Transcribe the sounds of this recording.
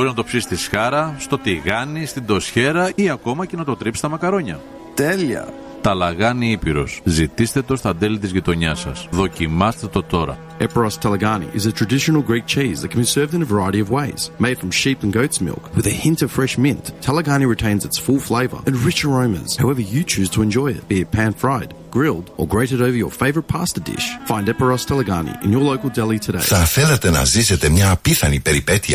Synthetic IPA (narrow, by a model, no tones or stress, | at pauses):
oɾiznɐt̪o̞psisi̥t̪isxɐɾɐst̪o̞t̪iɣɐnist̪ind̪o̞sçe̞ɾɐiɐko̞mɐce̞nɐt̪o̞t̪ɾipsi̥t̪ɐmɐkɐɾo̞ɲɐ | t̪eliɐ̰ | t̪ɐlɐɣɐniipiɾo̞̰szit̪ist̪e̞t̪o̞st̪ɐd̪elit̪izʝit̪o̞ɲɐsɐ̰sðo̞cimɐst̪et̪o̞t̪o̞ɾɐ̰ | ɛpə˞ɑstʰælˠəɡɑnḭʔɨzɨtʰɹ̥ɨdɪʃn̩l̩ˠɡɹik̚t͡ʃʰizðɨt̚kʰɨ̃m̩bisɜ˞vðɨ̃nəvə˞aɪəɾiʌvweɪz̥meɪd̥fɹʌ̃mʃipnɡoʊtsmɪ̰lˠkwɨðɨhɪ̃ntʌv̥fɹɛʃmɪ̃nθtʰɛlˠəɡɑñiɹɨtʰẽɪ̃nzɨtsfʊlˠfleɪvə̰˞ʔɨ̃nɹɪt͡ʃəɹõʊ̃mɨ̰̃nz̥haʊɛvə˞jɨt͡ʃʰʉz̥tʰəɨ̃nd͡ʒɔɪɨ̰t̚b̥iɨpʰæ̃nfɹaɪd̚ | ɡ̥ɹɪlˠdə̰˞ɡɹeɪɾɨɾoʊvə˞jə̰˞feɪvə˞ət̚pʰæstə˞dɪ̰ʃfãɪ̃ndɛpə˞ɑstʰɛlˠəɡɑnḭʔɨ̰̃njə˞loʊkəl̩ˠdɛlˠitʰɨdḛɪθɐθelet̪enɐ̰ziset̪emɲɐpiθɐnipeɾipet̪iɐ